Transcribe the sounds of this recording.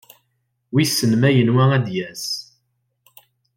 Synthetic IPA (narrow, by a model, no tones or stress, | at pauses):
wisənmæjənwææd̪jæs